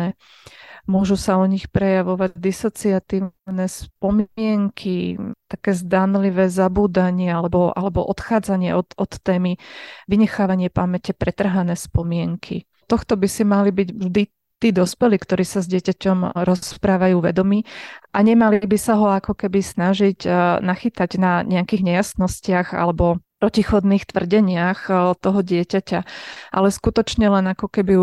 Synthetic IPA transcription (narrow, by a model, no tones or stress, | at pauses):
ɛ | mʊɔʒusaɔɲixpɾɛjaʋɔʋaɟd̪isɔt͡siat̪iːnɛspɔmɪɛŋkʰit̪akɛːzd̪anliʋɛːzabuːd̪aɲɪɛalɛbɔʔa̰lɛbɔʔɔt̪xaːd͡zaɲɪɛʔɔt̪ɔt̪ːɛːmiʋiɲɛxaːʋaɲɪɛpamɛcɛpɾɛt̪r̩ɦanɛːspɔmɪɛŋkʰi | t̪ɔxt̪ɔbisimalibiɟʒd̪i | t̪iːd̪ɔspɛliːkt̪ɔɾiːsazɟɪɛcacɔmɾɔspɾaːʋajuːʋɛ̰d̪ɔmiːʔaɲɛmalibisaɦɔakɔkɛbisnaʒiɟnaxit̪aɟnaɲɛakiːɣɲɛjasnɔscɪaɣa̰lɛbɔpɾɔcixɔd̪niːxt̪ʋr̩ɟɛɲɪaxt̪ɔɦɔɟɪɛcacaʔa̰lɛskut̪ɔt͡ʃɲɛlɛnakɔkɛbi